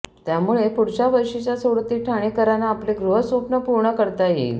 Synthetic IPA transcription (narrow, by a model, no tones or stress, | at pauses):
t̪jamuɭepuɽt͡ɕaʋəjʂit͡ɕjasə̃wɾut̪ːiːʈʰaɽ̃ekəɾanaːpleɡɾuɦəsʋəpnəpuɾɳəkəɾt̪ajḛil